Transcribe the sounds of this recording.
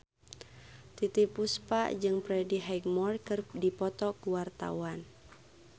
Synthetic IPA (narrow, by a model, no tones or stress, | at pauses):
t̪it̪ipuspa̰ʔd͡ʒɨŋpɾɛdiɦajɡmɔrkɨrdipɔt̪ɔkuwart̪a̰wan